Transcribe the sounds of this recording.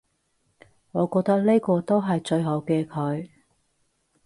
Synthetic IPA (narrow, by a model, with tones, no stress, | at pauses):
ŋɔː˨˧kɔː˧k̚t̪ɐ˥k̚le˥jkɔː˧t̪o˥wɦɐ˨jt͡ʃɵ˧ɥɦo˨˥wkɛː˧kʰɵ˨˧ɥ